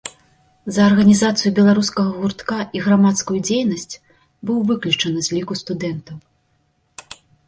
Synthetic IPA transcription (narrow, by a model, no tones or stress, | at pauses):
zɐːrɣɐnʲizat̪sɨjubʲɛlˠaɾuskɐɣɐɣurt̪kaʔiɣɾamat̪skujud͡zʲejnɐsʲt͡sʲ | bɨwvɨklʲut͡ʂɐnɨzʲlʲikust̪ud̪ɛnt̪ɐw